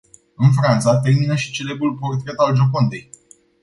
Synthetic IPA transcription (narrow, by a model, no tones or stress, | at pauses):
ɨnf̬ɾant̪sat̪e̞rminəʃi̥t͡ʃe̞le̞bɾulpo̞rt̪ɾe̞t̪ald͡ʒo̞kond̪e̞j